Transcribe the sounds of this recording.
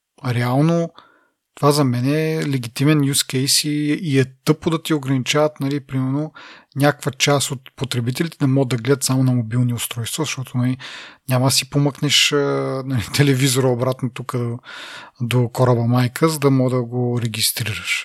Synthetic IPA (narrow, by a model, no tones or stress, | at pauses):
ɾɛalˠno | t̪ovazɐmɛnɛlɛɡʲit̪imɛnjuskɛjsiːɛt̪ɤpod̪ɐt̪ioɡɾɐnit͡ʃavɐt̪nɐlipɾimɛɾnonʲakkvət͡ʃast̪ot̪pot̪ɾɛbit̪ɛlit̪ɛnɛmɔɡəd̪ɐɡlɛd̪ət̪samonɐmobilˠniʊst̪ɾɔjst̪vɐzɐʃt̪ɔt̪onɐlinʲamɐd̪ɐsipomɤknɛʃənɐlit̪ɛlɛvizoɾəobɾat̪not̪ukə | d̪okɔɾəbɐmajkʰəzɐd̪ɐmɔɡd̪ɐɡoɾɛɡʲist̪ɾiɾəʃ